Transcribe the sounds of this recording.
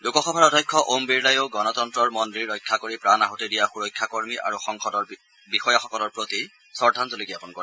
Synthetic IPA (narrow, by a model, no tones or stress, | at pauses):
lukɔxɔbʱaɹɔdʱajkʰːɔʔombiɹlajoɡɔnɔt̪ɔntɹɔɹmɔndɹiɹːɔjkʰːakoɹipɹanaɦotedijaxuɹɔjkʰːakoɹmiʔa̰ɹuxɔŋxɔdɔɹ | bixɔjaxɔkɔlɔɹpɹot̪i | sɔɹdʱanzolikiapɔnkɔɹ